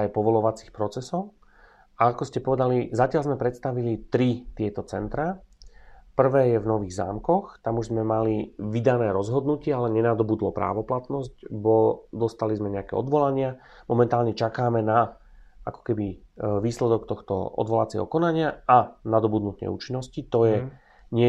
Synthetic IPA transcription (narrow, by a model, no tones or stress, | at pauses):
ajpɔʋɔlɔʋat͡si̥xpɾɔt͡sɛsɔʊ | aakɔscɛpɔʋɛd̪alizacɪalzmɛpɾɛt̪st̪aʋilit̪ɾit̪ɪɛt̪ɔt͡sɛnt̪ɾa | pr̩ʋɛːjɛvnɔʋiːɣza̰ːmkɔxt̪amuʒzmɛmaliʋid̪anɛːɾɔzɦɔd̪nucɪɛalɛɲɛnad̪ɔbud̪lɔpɾa̰ːʋɔplat̪nɔzɟbɔd̪ɔst̪alizmɛɲɛakɛ̰ɔd̪ʋɔlaɲɪa | mɔmɛnt̪aːlɲɛt͡ʃakaːmɛna | akɔ̥kɛbiʋiːslɛd̪ɔk̚t̪ɔxt̪ɔ̰ɔ̰d̪ʋɔlat͡sɪɛ̰ɦɔ̰kɔnaɲɪaanad̪ɔbud̪nut̪ɛ̰ṵːt͡ʃinːɔscit̪ɔjɛ | ɲɪɛ